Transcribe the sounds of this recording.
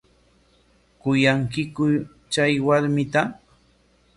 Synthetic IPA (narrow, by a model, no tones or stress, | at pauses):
kʊjaŋkɪkʊ | t͡ʃajwaɾmɪt̪a